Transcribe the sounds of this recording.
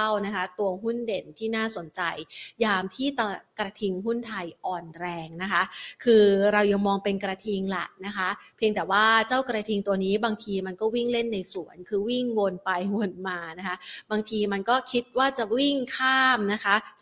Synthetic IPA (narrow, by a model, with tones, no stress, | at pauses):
wna˦˥kʰa˦˥t̪u˧ɐɦu˥˩nde˨˩nt̪ʰiː˥˩naː˥˩so˨˩˦nt͡ɕa˧jjaː˧mt̪ʰiː˥˩t̪a˧˩kɾa˧t̪ʰi˧ŋɦu˥˩nt̪ʰa˧jʔɔː˨˩nɾɛː˧ŋna˦˥kʰa˦˥kʰɯː˧ɾa˧wja˧ŋmɔː˧ŋpe˧nkɾa˧t̪ʰi˧ŋla̰˨˩ʔna˦˥kʰa˦˥pʰi˧əŋt̪ɛː˨˩waː˥˩t͡ɕaː˥˩wkɾa˧t̪ʰi˧ŋt̪u˧ɐniː˦˥baː˧ŋt̪ʰiː˧ma˧nkɔː˥˩wi˥˩ŋle˥˩nːa˧jsu˨˩˦ənkʰɯː˧wi˥˩ŋwo˧npa˧jwo˧nmaː˧na˦˥kʰa˦˥baː˧ŋt̪ʰiː˧ma˧nkɔː˥˩kʰi˦˥t̪̚waː˥˩t͡ɕa˨˩wi˥˩ŋkʰaː˥˩mna˦˥kʰa˦˥